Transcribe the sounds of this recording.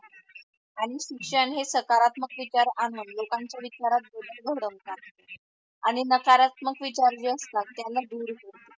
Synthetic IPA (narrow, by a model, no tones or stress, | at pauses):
aɽ̃iɕikʂəɳɦesəkaɾat̪məkʋit͡ɕaɾanunlokaɲt͡ɕjaʋit͡ɕaɾat̪̚bʱoləɾɡʱəɽəmkaɾt̪e | aɽ̃inəkaɾat̪məkʋit͡ɕaɾd͡ʑeəst̪at̪t̪jalːad̪uːɾkoɾt̪e